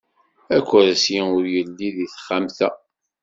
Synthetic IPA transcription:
ækʷːɾæsjiʊɾjəlːiðiθχːamθæ

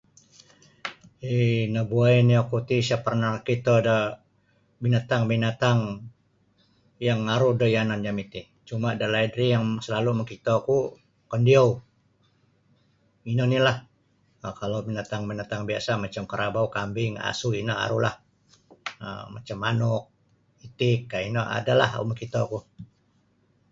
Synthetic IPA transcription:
inəbuajniakut̪isapərnakit̪ədə | binat̪aŋbinat̪aŋ | jaŋaɾuhdəjanand͡ʒamit̪i | t͡ʃumadəlaidɾijaŋsəlaluməkit̪oku | kəndia | inənilah | əkalowbinat̪aŋbinat̪aŋbiasamat͡ʃamkəɾʔabaukambɪŋa̰suinəa̰ɾula̰h | ə̰mat͡ʃamanʊk̚ | it̪ɪkːainəʔa̰dala̰hṵməkit̪oku

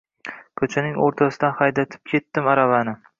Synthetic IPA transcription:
kʰɵt͡ʃʰanɪŋoɾt̪ʰasɪd̪anχɑjd̪at̪ʰɪ̥p̚kʲʰe̞t̪ːɪmaɾavanɪ

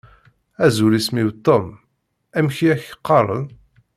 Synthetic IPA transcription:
æzuɾismiwt̪ˤːom | æmçiæçəqːɑɾˤə̰n

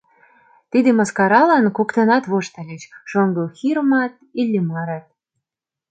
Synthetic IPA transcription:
t̪id̪emɑskɑɾɑlɑnkokt̪ɤ̆nɑt̪βoʃt̪ə̆lʲet͡ɕʃoŋɡɤxiɾəmɑt̪̚ilʲːemɑɾɑt̪̚

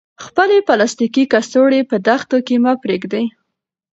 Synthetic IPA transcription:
xpəlepalast̪ikikast̪oɽepəd̪axt̪okemapɾeɡd̪aj

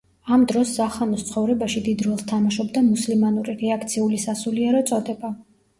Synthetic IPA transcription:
amd̪ɾɔszaχanɔst̪sʰχɔvɾɛbaʃid̪id̪ɾɔlˠst̪ʰamaʃɔbd̪amuslimanuɾiɾɛakʰt̪sʰiulisasuliɛɾɔt̪sʼɔd̪ɛba

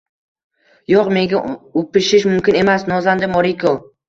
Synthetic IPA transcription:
joqme̞ŋɡʲaopɪʃɪʃmʊmkʲɪne̞masnɒzand̪ɪmoɾikʰo

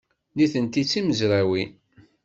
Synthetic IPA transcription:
liθənt̪it͡sːiməzɾæwi

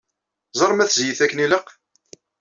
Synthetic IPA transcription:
zˤɑɾˤmæθzjiθækːniləq

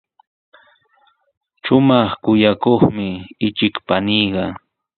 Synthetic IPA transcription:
ʃʊmɑχkʊjakoχmɪɪt͡ʃɪkpaniːɢɑ

